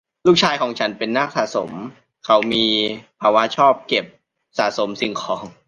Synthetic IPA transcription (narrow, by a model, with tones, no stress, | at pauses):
luː˥˩k̚t͡ɕʰaː˧jkʰɔː˩˦ŋt͡ɕʰa˦˥npe˧nːa˥˩k̚sa̰ː˨˩so˨˩˦m | kʰa˩˦wmiː˧pʰːaː˧wa˦˥t͡ɕʰɔː˥˩p̚ke˨˩p̚ | saː˨˩so˩˦msi˧˨˩ŋkʰɔː˩˦ŋ